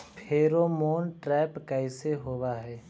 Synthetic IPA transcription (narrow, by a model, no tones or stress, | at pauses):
pʰeːɾoːmoːnʈɾɛːpkɛɪseɦoːwaɦɛː